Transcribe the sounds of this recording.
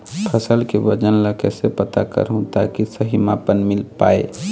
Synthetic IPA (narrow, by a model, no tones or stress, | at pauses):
pʰəsəlkebəd͡ʒənləkesepət̪a̰kə̰ɾɦũt̪akisəɦimaːpənmɪlpaːḛ